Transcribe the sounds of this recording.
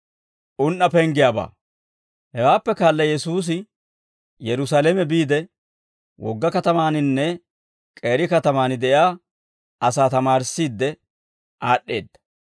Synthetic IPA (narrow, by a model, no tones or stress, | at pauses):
ʔʊnʔɐpɛŋɡɪjaːba̰ː | hɛwaːpːɛkaːlːɐjɛsuːs̬ɪ | jɛɾʊsaːlɛmɛbiːd̪ɛ | wʔɔ̰ɡːɐkɐt̪ɐmaːnɪnːɛ | kʼe̞ːɾɪkɐt̪ɐmaːnɪd̪ɛʔjaː | ɐsaːt̪ɐmaːɾsːiːd̪ːɛ | ʔaːɗːe̞ːd̪ːɐ̥